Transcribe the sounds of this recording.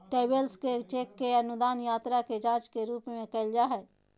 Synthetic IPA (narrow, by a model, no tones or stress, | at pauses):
ʈeːbəlsket͡ʃeːkːeɐnʊd̪aːnjaːt̪ɾaked͡ʒãːt͡ʃkeɾuːpmẽkɐld͡ʒaɦɛː